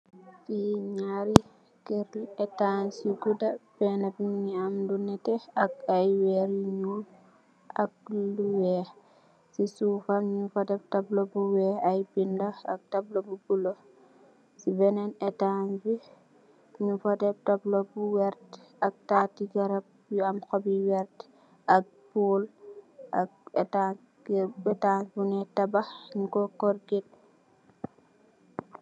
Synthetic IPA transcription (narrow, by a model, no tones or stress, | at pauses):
fiɲaɾi | keɾiɛtansiɡudapɛnabimiamdunɛtɛakajwɛɾiɲu | ak̚luwɛ | sisufamɲufadɛb̚tablobuwɛajbindaak̚tablobubulɔ | sibɛnɛnɛtanfi | ɲufɐdɛp̚tɐblobuwɛɾt | ɐk̚tatiɡɐɾɐp̚ | ɐmxobiwɛɾt | ɐk̚puːl | ɐk̚ɛta | bɛtanbunɛtɐbankɔkɔɾɡit̚